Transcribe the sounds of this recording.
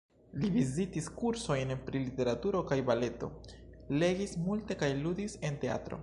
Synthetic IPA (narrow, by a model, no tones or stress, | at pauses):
livizitiskuɾso̞jnpɾilite̞ɾatuɾo̞kajbale̞to̞̰le̞ɡismulte̞kajludise̞nte̞a̰tɾo̰